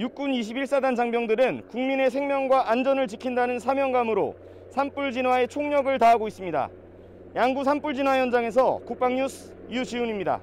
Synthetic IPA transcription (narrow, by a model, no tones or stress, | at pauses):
juk͈̚uniɕ̬ʰibiɭs͈adand͡ʑaŋbjʌŋdɯɾɯnkuŋmine̞s̬ʰe̞ŋmʲjʌŋɡwaʔand͡ʑʌnɯɭt͡ɕikʰindanɯnsʰamjʌŋɡamɯɾo̰ | sʰamp͈uɭd͡ʑinwae̞t͡ɕʰoŋɲʌɡɯɭtaɦaɡois͈ɯmɲida̰ | jaŋɡusʰamp͈uɭd͡ʑinwajʌnd͡ʑaŋe̞s̬ʰʌ̰kuk̚p͈aŋɲusʰ | ijuɕiuɲimɲida̰